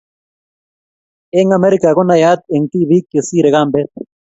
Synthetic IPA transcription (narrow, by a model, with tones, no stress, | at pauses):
e˦ŋa˦me˦ɾika˨ɣo˦na˨ja˦t̪̚e˨ŋt̪i˦βi˦kːe˨si˦ɾe˨ɣambe˦t̪̚